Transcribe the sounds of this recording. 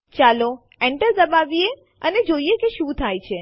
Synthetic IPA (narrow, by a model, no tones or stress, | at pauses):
t͡ʃalo | ɛɳʈəɾd̪əbaʋie | əned͡ʒoiekeʃũt̪ʰajt͡ʃʰe